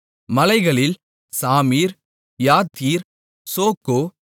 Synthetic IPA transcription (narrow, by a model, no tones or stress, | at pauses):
mɐlɐɪɣɐɭɪl | saːmiːɾ | jaːt̪iːɾ | soːkːoː